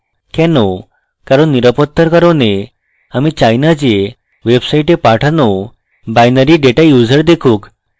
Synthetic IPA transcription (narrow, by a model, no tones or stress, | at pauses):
kɛno | kaɾəɳːiɾəpət̪ʰːəɾkəɾone | amit͡ɕajnad͡ʑe | ʋebsaiʈepaʈʰano | bajnəɾiɖeʈajud͡zəɾd̪ekʰũːk